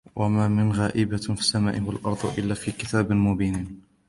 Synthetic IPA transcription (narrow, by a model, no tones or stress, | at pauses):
wʔamaːmɪnɣaːʔɪbafɪsːama̰ːʔɪwalʔɑɾˤd̪ˤʔɪlːaːfiːkɪt̪ʰaːbɪmʊbiːniːn